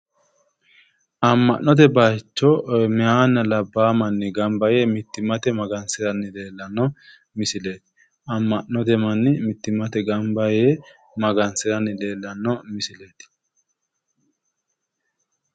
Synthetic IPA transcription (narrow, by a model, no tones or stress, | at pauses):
ʔɐmːɐ̰ʔnɔt̪̬ɛbaːt͡ʃːɔmɪhaːnːɐlɐbːaːmɐnːɪɡɐmbɐjɛmɪt̪ːɪmɐt̪ɛmɐɡɐnsɪɾɐnːɪle̞ːlːɐnːɔ | mɪsɪleːt̪ɪ̥ | ɐmːɐʔnːɔt̪ɛmɐnːɪmɪt̪ːɪmɐt̪ɛɡɐmbɐje | mɐɡɐnsɪɾɐnːɪle̞ːlːɐnːɔmɪsɪle̞ːt̪ɪ̥